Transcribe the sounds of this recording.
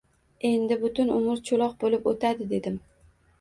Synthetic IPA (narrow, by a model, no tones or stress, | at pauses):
e̞nd̪ɪbʊt̪ʊnʊmʊɾt͡ʃʰʊlˠɒq̚bolɪpot̪ʰad̪ɪd̪e̞d̪ɪm